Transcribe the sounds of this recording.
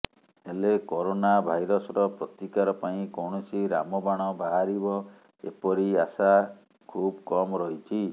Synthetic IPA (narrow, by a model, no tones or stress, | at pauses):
elekɔɾonabʱajɾɔsɔɾɔpɾɔt̪ikaɾɔpaĩkɔwɽ̃ɔsiɾa̰mɔbaɽ̃ɔbʱaɦaɾibɔ | ḛpɔɾiasa | kʰub̚kɔmɔɾɔɦit͡ʃʰi